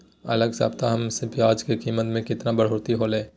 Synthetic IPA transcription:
ɐləɡsa̰ːbt̪aɦɐmsepjaːd͡ʒkekiːmət̪mẽkɪt̪nabɐɽ̤oːɾt̪iɦolẽː

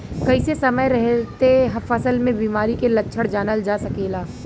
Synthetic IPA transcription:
kɐɪsesɐməjɾɛɦt̪eɦɐfəsəlmẽbiːmaːɾikelɐʃʰəɽd͡ʒaːnəld͡ʒaːsɐkeːlaː

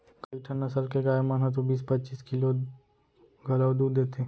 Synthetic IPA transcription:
kaɪʈʰənːɐsəlkeɡaːemanɦɐt̪̬obiːspɐtːt͡ʃiːskɪlo | ɡʱɐlawd̪uːdd̪eːt̪eː

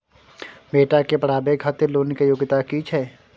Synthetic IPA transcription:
meːʈakepəɽaːbekʰat̪eloːnkejoːɡɪt̪akit͡ʃʰɛː

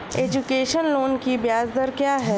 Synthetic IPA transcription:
eːd͡ʒukeːʃənloːnkibjaːzd̪əɾkjaːɦɛː

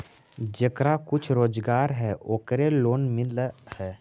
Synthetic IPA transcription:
d͡ʒəkɾakʊt͡ʃʰɾoːd͡ʒɡaːɾɦɛːʔoːkɾeloːnmɪlhɛː

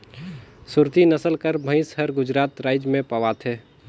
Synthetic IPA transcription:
sʊɾt̪inəsəlkəɾbʱə̃ɪ̃sɦəɾɡʊd͡ʒɾaːt̪ɾaːɪd͡ʒmẽpəʋaːt̪ʰɛː

